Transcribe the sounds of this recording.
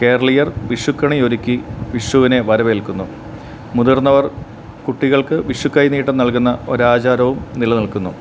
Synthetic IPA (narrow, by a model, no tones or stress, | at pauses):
ke̞ːɾɐɭijɐrʋiʂukːɐɳioɾikʲːiʋiʂwuʋine̞ʋɐɾɐʋelkunːu | mud̪urnːɐʋɐr | kuʈːiɣɐɭkɨʋiʂʋukːɐjiniːʈːɐnɐɭkunːɐo̞ɾaːt͡ɕaːɾɐʋumnilɐniɭkunːṵ